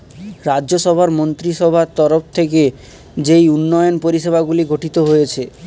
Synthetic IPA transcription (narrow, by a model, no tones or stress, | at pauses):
ɾaʑoʃɔbʱaɾmont̪ɾiʃɔbʱaɾt̪ɔɾoft̪ʰeke | d͡ʑejunːɔjonpoɾiʃebʱaɡuliɡʱoʈit̪oɦojet͡ɕʰe